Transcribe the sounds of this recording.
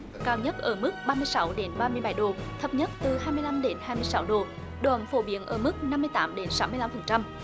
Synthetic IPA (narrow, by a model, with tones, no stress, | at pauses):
kaː˧wɲə˦˥t̚ʔəː˧˩mɨ˦˥k̚ɓaː˧mɨ˧jsa˧˦wɗe˨˦nɓaː˧mɨ˧əjɓa˧˩jɗo˨˩t̪ʰə˨˩p̚ɲə˦˥t̚t̪ɨ˨˩ɦaː˧jmɨ˧əla˧mɗe˨˦nhaː˧jmɨ˧əjsa˨˦wɗo˨˩ | ɗo˧˨˩mfo˧˩ɓi˨˧˥ənʔəː˧˩mɨ˦˥k̚na˧mːɨ˧əjt̪aː˨˦mɗe˨˦nsa˧˦wmɨ˧əla˧mfə˨˩nt͡ɕa˧m